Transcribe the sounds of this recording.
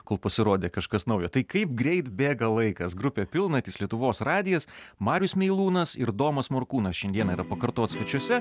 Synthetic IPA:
koːlˠpɐsʲɪɾoːd̪ʲeːkɐʃkɐsnɐʊjot̪ɐɪkɐɪpɡɾʲɛɪt̪bʲeːɡɐlˠɐɪkɐsɡɾʊpʲeːpʲɪlˠnɐt̪ʲɪːslʲiɛt̪ʊʋoːsɾɑːd̪ʲɪjɛsmɑːɾʲjʊsmʲɛɪlˠuːnɐsɪɾd̪oːmɐsmoːɾkuːnɐsʃʲɛnd̪ʲiɛnɐiɾɐpɐkɐɾt̪oːt̪sʋɐt͡ʃʲɔsʲɛ

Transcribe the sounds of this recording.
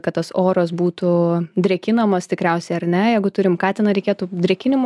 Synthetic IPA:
kɐt̪̚t̪ːɐsoːɾɐsbuːt̪ʊd̪ʲɾʲɛkʲɪnɐmɐst̪ʲɪkɾʲɛʊsʲɛɪɐɾnʲɛjɛɪɡʊt̪ʊɾʲɪmkɑːt̪ʲɛnɐɾʲɛkʲeːt̪ud̪ʲɾʲɛkʲɪnʲɪm

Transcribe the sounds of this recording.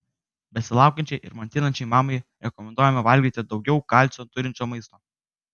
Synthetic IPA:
bʲɛsʲɪlˠɑˑʊkʲɛnʲt͡ʃʲɛɪʔɪ̰ɾmɐnʲt̪ʲɪnɐnʲt͡ʃʲɛɪmɑːmɐɪɾʲɛkɔmʲɛnd̪uɔjɛmʲɐʋɐlʲɡʲiːt̪ʲɪd̪ɒʊɡʲɛʊkɐlʲt͡ʃʲot̪ʊɾʲɪnʲt͡ʃʲoːmɐɪst̪oː

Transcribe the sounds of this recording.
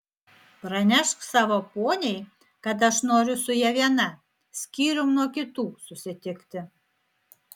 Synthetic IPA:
pɾɑnʲæʃksɑβoponʲej | kɑd̪ɑʃnoɾʲusujɑβʲjɑnɑ | skiɾomnokʲit̪ususʲet̪ʲekt̪ĕ

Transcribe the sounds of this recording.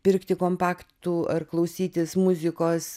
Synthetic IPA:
pʲɪɾkt̪ʲɪkoːmpɑːkt̪uːɐrklˠɐʊsʲiːt̪ʲɪsmʊzʲɪkoːs

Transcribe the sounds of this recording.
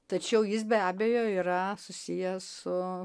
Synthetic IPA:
t̪ɐt͡ʃʲɛʊjɪsbʲæːbʲejoːiɾɐsʊsʲijɛsʊ

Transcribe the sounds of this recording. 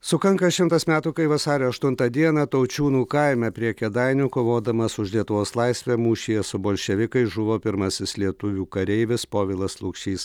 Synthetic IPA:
sʊkɐŋkɐʃʲɪmt̪ɐsmʲæːt̪uːkɐɪʋɐsɑːɾʲoːɐʃt̪ʊnt̪ɐd̪ʲiɛnɐt̪ɐʊt͡ʃʲuːnuːkɐɪmʲɛpʲɾʲiɛkʲɛd̪ɐɪnʲʊkoːʋoːd̪ɐmɐsʊʃlʲiɛt̪ʊʋoːslˠɐɪsʲʋʲɛmuːʃʲijɛsʊboːlʲʃʲɛʋʲɪkɐɪʒʊʋoːpʲɪɾmɐsʲɪslʲiɛt̪ʊʋʲuːkɐɾʲɛɪʋʲɪspoːʋʲɪlˠɐslˠʊkʃʲiːs

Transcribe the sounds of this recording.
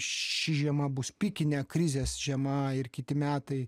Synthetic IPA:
ʃʲɪʒʲiɛmɐbʊspʲikʲɪnʲɛːkɾʲɪzʲeːsʒʲiɛmɐɪrkʲɪt̪ʲɪmʲæːt̪ɐɪ

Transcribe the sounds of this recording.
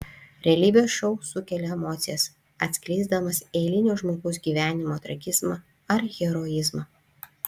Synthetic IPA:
ɾʲɛlʲiːbʲɪjoːsʃɔʊsʊkʲɛlʲɛɛmoːt̪sʲɪjɛs | ɐt̪ʲsʲkʲlʲiɪzd̪ɐmɐsɛɪlʲɪnʲʊʒmoːɡɐʊs̬ɡʲiːʋʲæːnʲɪmoːt̪ɾɐɡʲɪzmɐ | ɐɾɣʲɛɾojɪzmɐ

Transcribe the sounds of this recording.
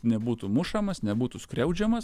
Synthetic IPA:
nʲɛbuːt̪umʊʃɐmɐsnʲɛbuːt̪uskɾʲɛʊd͡ʒʲɛmɐs

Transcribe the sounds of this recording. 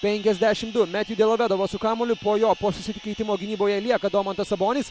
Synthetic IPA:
pʲɛŋʲkʲɛzʲd̪ʲæʃʲɪmd̪ʊmʲæːt̪ʲjuːd̪ʲɛlˠɐʋʲed̪ɐʋoːsʊkɑːmolʲʊpoːjoːpoːsʊsʲɪt̪ʲɪkɐɪt̪ʲɪmoːɡʲɪnʲiːboːjɛlʲiɛkɐd̪oːmɐnt̪ɐsɐboːnʲɪs

